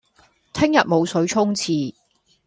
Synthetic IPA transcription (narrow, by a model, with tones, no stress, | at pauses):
t̪ʰɪ˥ŋjɐ˨t̚mo˨˧wsɵ˨˥ɥt͡sʰʊ˥ŋt͡sʰiː˨˧